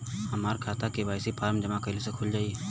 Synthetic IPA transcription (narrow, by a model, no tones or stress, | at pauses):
hɐmaːɾkʰaːt̪akeʋaːɪsipʰaːɾmd͡ʒɐmakəɪlosekʰʊld͡ʒaːiɛ